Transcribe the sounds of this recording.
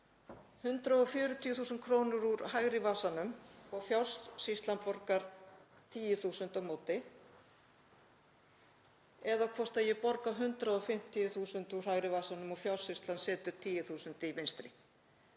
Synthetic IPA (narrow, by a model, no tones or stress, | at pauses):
hʏnt̪ɾaɔfjʏːɾʏt̪ʰijʏθuːsʏnt̪̚kʰɾoːwnʏɾuɾɦaɣɾɪvaːsanʏmɔɣfjawst̪sist̪lanpɔɾkaɾ̥ | t̪ʰiːjʏθuːsʏnt̪amoːwt̪ɪ | ɛðawkʰvɔr̥st̪ajɛpɔɾkaɦʏnt̪ɾaɔfɪm̥t̪ʰɪjʏθuːsʏnt̪uɾ̥hajɣɾɪvaːsanʏmɔɣfjawsist̪lansɛːt̪ʏɾ̥t̪ʰiːjɪθuːsʏnt̪ɪivejnst̪ɾɪ